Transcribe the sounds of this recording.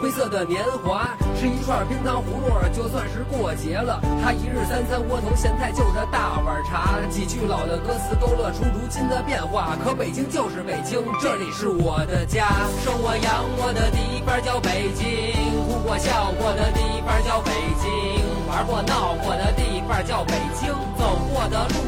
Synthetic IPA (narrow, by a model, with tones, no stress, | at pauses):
xwe˥ɪsɤ˥˩d̪ə˩njɛ˧˥nxwa˧˥ʂɻ̩˥˩i˧˥kʰwa˥˩pʰi˥ŋt̪ɑ˥ʊxu˧˥mwɔ˥˩ə˨˩t͡ɕjo˥˧ʊswa˥˧nʂɻ̩˥˧kwɔ˥˩t͡ɕjɛ˧˥lə˨t̪ʰa˥i˧˥ɻɻ̩˥˩t̪a˥nsa˥nkwɔ˥t̪ʰo˧˥ʊɕjɛ˧˥nt̪ʰa˥˧ɪt͡ɕjo˥˩ʊd̪ə˩t̪a˥˩wə˞˨˩˥ʈ͡ʂʰa˧˥t͡ɕi˨˩t͡ɕy˥˩lɑ˨˩ʊd̪ə˦kɤ˥sɹ̩˧˥k̪o˥ʊlɤ˥˩ʈ͡ʂʰu˥ɻu˧˥t͡ɕi˥nd̪ə˨pjɛ˥˧nxwa˥˩kʰɤ˧˥pe˨˩ɪt͡ɕi˥ŋt͡ɕjo˥˧ʊʂɻ̩˥˩pe˨˩ɪt͡ɕi˥ŋʈ͡ʂɤ˥˩li˨˩ʂɻ̩˥˩wɔ˨˩d̪ə˦t͡ɕja˥ʂo˥˩wɔ˨˩jɑ˧˥ŋwɔ˨˩d̪ə˦t̪i˥˩i˧˥pə˞˥˧t͡ɕjɑ˥˩ʊpe˨˩ɪt͡ɕi˥u˧˥kwɔ˨˧˩ɕjɑ˥˩ʊwɔ˨˩d̪ə˦t̪i˥˩i˧˥pə˥˧t͡ɕjɑ˥˩ʊpe˨˩ɪt͡ɕi˥ | ə˞˧˥kwɔ˥˧˩nɑ˥˩ʊwɔ˨˩d̪ə˦t̪i˥˧i˧˥pə˞˥˧t͡ɕjɑ˥˩ʊpe˨˩ɪt͡ɕi˥ŋt͡so˨˩ʊxwɔ˥˩d̪ə˧˥